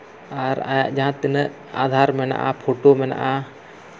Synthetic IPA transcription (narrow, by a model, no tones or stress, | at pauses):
aɾa̰ad͡ʒaɦãt̪inə | a̰ːd̪ʱaːɾmɛna̰ʔa̰pʰoʈomɛna̰ʔa